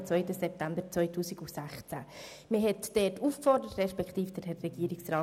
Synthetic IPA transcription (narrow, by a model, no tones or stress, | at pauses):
t͡sʋœʏtəsɛp̚tambəɾt͡sʋœʏtʰuːsɪɡusæχt͡sæ̰ | məɦɛtd̥ɛːtufkfɔrdəɾətrɛʃpɛkχtiːfd̥əɾhɛrːɛɡ̥iːəɾɪksraː